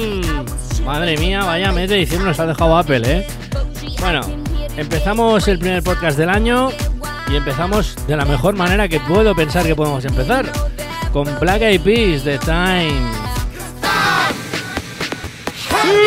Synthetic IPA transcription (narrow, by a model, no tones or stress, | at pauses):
maðɾe̞miaβajamet̪eðiθjenonosað̞e̞xawape̞le | bwe̞no̞̰e̞mpe̞θamo̞se̞lpɾime̞ɾpo̞t̪kazðe̞laɲo̞ | ie̞mpe̞θamo̞zd̪e̞lame̞xo̞ɾmane̞ɾake̞pwe̞ðope̞nsaɾkepo̞ðemo̞se̞mpe̞θaɾko̞mplakaipisðe̞t̪ajn